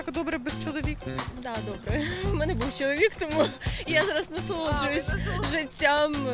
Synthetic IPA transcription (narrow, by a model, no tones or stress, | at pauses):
akd̪ɔbɾɛbɛst͡ʃɔlˠɔʋʲikd̪ɑd̪ɔbɾɛmɛnɛbuwt͡ʃɔlˠɔʋʲikt̪ɔmujazɑɾɐsnɐsˠɔd͡ʒʊjʊsʲʐɪtʲːam